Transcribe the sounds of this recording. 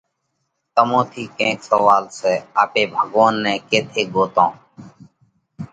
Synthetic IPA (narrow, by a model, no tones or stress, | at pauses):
t̪əmõːt̪ʰiːkẽːksəʋaːlsɛːaːpeːbʱəɠoːnːɛ̃ːkeːt̪ʰeːɡoːt̪ãː